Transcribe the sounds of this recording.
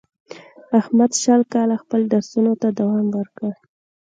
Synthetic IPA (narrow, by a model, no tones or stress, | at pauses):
ahmad̪ʃalkɑlaxpəlɖaɾsunot̪ad̪awɑmwəɾkə